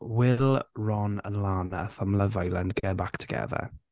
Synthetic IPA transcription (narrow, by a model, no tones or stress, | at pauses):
wɪlˠɹɔnə̰nlaːnəθamləvajlˠəndɡɛbaktʰə̥ɡ̥ɛ̰ðɛ̰